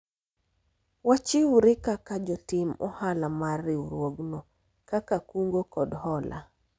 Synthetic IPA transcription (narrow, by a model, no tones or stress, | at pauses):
wat͡ʃɪuɾɪkakad͡ʒɔtɪmɔ̰halamarːɪuɾwoɡnɔ | kakakuŋɡokɔdhɔlʔa̰